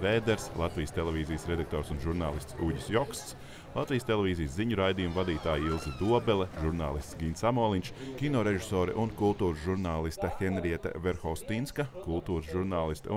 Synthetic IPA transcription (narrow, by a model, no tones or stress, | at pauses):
veːd̪ɛɾslˠat̪vijst̪elˠeviːzijsɾed̪ak̚t̪oːɾsunʒuɾnaːlˠist̪suɟʲisjɔkst̪s | lˠat̪vʲijəst̪elʲˠevʲiːzijəsziɲuɾajd̪ijumvad̪iːt̪aːjilˠzid̪uɔbɛlˠɛʒuɾnaːlˠist̪sɡʲinsamɔːlˠint͡ʃkʲinɔːɾeʒisoːɾɛ̰ʔunkulˠt̪uːɾzʒuɾnaːlˠist̪ɐxenɾiɛt̪a̰vɛɾxɔwst̪inskɐkulˠt̪uːɾsʒuɾnaːlˠist̪u